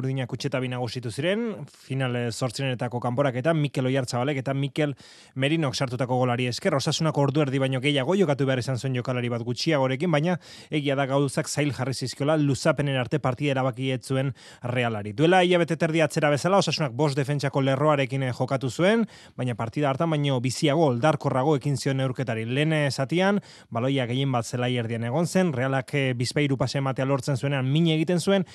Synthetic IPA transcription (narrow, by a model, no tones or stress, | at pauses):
ɾðiɲakut͡ʃe̞t̪aβ̞inaɣ̞usit̪usiɾe̞nfinalso̞ɾt͡sioet̪ako̞kampo̞ɾake̞t̪amike̞lo̞jaɾt͡saβale̞ket̪amike̞l | me̞ɾino̞aksaɾt̪ut̪ako̞ɣ̞o̞laɾie̞ske̞ro̞sasunako̞ɾðue̞ɾðiβajɲo̞ɣe̞jaɣ̞o̞ʝo̞kat̪uβe̞arisansue̞ɲɟo̞kalaɾiβ̞at̪ɡut͡ʃiaɣ̞o̞ɾe̞k̬imbajɲa | e̞ɣ̞iaðaɣawusaksajlʝarisiskio̞lalusape̞nenaɾt̪e̞paɾt̪iðaeɾaβakiet͡sue̞n | re̞alaɾid̪ue̞laiʎaβ̞e̞t̪e̞t̪eɾð̞iaːt͡se̞ɾaβ̞e̞salao̞sasunak̚bo̞std̪e̞fe̞nt͡ʃako̞le̞ro̞aɾe̞kinʝo̞kat̪usue̞n | bajɲapaɾt̪iðaɾt̪ambaɲo̞bisiaɣ̞o̞ːld̪aɾko̞raɣ̞o̞e̞kinsio̞ne̞wɾke̞t̪aɾile̞ːnsat̪ian | balo̞jaɣe̞jembat̪selaje̞ɾð̞iane̞ɣ̞o̞nse̞nre̞alakbispajɾupasaemat̪e̞alo̞ɾt͡se̞nsue̞neammiɲeɣ̞it̪e̞nsue̞n